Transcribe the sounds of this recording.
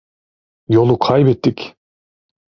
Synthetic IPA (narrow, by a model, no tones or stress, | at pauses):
jo̞lˠuqʰɑjbet̪ːik